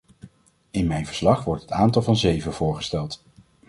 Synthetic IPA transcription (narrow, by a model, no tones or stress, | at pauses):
ɪnmɛjnvəɹslɑχʋɔɹtɦətaːntɑlˠvɑnzejvənvʊːɹχə̥stɛlˠt